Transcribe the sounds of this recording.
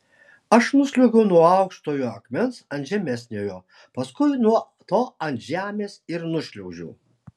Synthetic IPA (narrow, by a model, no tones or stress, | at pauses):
ɐʃnʊsʲlʲʊɡʲɛʊnuɔɐˑʊkʃt̪oːjoːɐkmʲɛnsɐnt̪ʲʒʲɛmʲɛsʲnʲeːjoː | pɐskʊɪnuɔ | t̪oːɐnt̪ʒʲæːmʲeːsɪɾnʊʃʲlʲɛʊʒʲɛ̰ʊ